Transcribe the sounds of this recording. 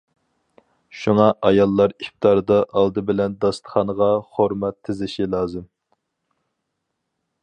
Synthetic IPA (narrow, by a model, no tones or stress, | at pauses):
ʃuŋɑʔɑjɑlˠːɑɾif̚t̪ɑɾd̪ɑʔɑlˠd̪ɨbɪlɛnd̪ɑst̪ə̥χɑnəʁɑχoɾmɛt̪ʰːɪzɪʃilˠɑːzɨm